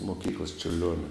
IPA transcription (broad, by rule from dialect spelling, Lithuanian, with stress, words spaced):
moːˈkʲiːklˠɐs t͡ʃʲʊrʲˈlʲoːnʲɛ